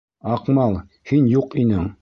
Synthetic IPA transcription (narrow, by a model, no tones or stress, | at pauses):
ɑqmɑlˠ | hinjuqinɘŋ